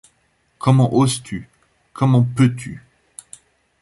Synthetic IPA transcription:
kʰɔmɑ̃ʔozt̪ʰy | kɔmɑ̃pøt̪ʰy̰

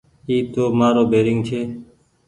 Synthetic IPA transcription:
iːt̪oːmaːɾoːbʱeːɾɪŋɡt͡ʃʰeː

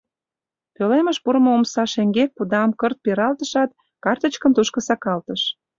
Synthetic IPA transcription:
pøleməʃpuɾəmoomsɑʃeŋɡek̚pud̪ɑmkərt̪̚peɾɑlt̪əʃɑt̪̚ | kɑrt̪ə̆t͡ɕkə̆nt̪uʃkə̆sɑkɑlt̪əʃ

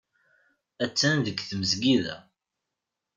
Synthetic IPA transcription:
æt͡sːænðəɡθməzɡiðæ̰

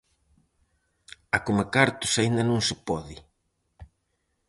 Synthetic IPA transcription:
akomakaɾt̪ʊsaind̪ɐnõŋsɪpɔðɪ

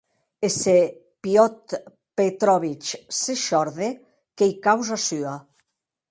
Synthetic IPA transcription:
ese | pjɔt̪ | pet̪ɾɔβit͡ʃseʃɔɾðe | kejkawzasya

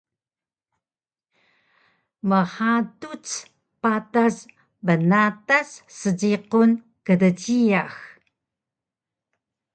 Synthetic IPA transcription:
məħatut͡s | patas | bənatasːəd͡ʑiqun | kədəɟiax

